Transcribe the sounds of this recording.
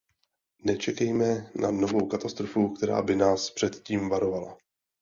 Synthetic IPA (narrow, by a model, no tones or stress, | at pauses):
nɛt͡ʃɛkɛjmɛna̰no̞vo̞wkat̪ast̪ɾo̞fukt̪ɛɾa̰ːbɪnaːspr̝̥ɛt̪ciːmvaɾo̞vala̰